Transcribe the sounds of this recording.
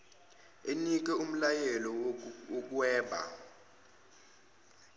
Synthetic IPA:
enik̬ɛum̩lajɛlɔok̬wɛːɓa̰

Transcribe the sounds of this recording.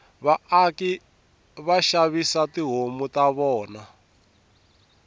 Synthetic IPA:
βaaki | βaʃaβisatiɦomutaβɔːna

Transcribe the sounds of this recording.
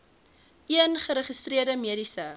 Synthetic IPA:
iənχəɾəχəstriərdəmiəɾisə

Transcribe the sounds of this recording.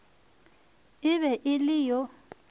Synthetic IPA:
ɪβɛʔɪlɪjɔ

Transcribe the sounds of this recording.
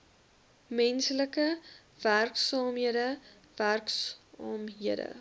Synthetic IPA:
mɛnsləkə | v̥ærksɑːmɦiədə | værksɑːmɦiədə̰

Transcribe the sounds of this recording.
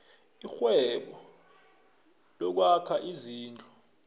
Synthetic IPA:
ixwɛɓɔ | lɔk̬wakʰaʔiziːnd͡ɮʱʼɔ

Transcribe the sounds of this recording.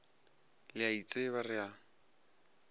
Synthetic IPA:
lɪait͡sʼeβarɪa

